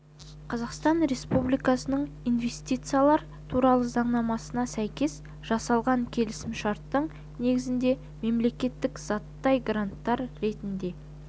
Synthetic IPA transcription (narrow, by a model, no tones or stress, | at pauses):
qʰɑzɑqst̪ɑnɾe̞spublijkɑsənəɴ | ijnve̞st̪ʲijt̪sɨijalˠɑɾ | t̪ʰuɾɑlˠəzɑɴnɑmɑsənɑsæjkʲe̞s | ʒ̥ɑsɑlˠʁɑŋkʲʰe̞lɪsɪmʃɑɾt̪ːəɴ | ne̞ɡʲɪzɪnd̪e̞ | me̞mle̞kʲe̞t̪ːɪkz̥ɑt̪ːɑjɡɾant̪ːɑɾɾe̞t̪ɪnd̪e̞